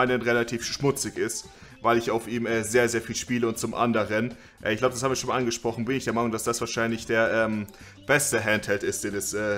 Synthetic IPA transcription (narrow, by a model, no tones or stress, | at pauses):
ɪnənʁelatʰiːfʃmʊt͡sɪçɪst | vaɪlɪçaʊfʔiːmɛːzeːɐzeːɐfiːlʃpiːləʊnt̚t͡sʊmʔa̰ndəʁən | ʔɛɪçɡ̥laʊbədashabm̩iːɐʃoːnmaʔanɡəʃpʁ̥ɔχn̩bɪnɪçd̥eːɐmaɪnʊŋdasd̥asv̥aːɐʃaɪnlɪçd̥eːɐʔɛːm | b̥ɛstəɦɛnthɛltɪst̚d̥eːndɛsʔɛː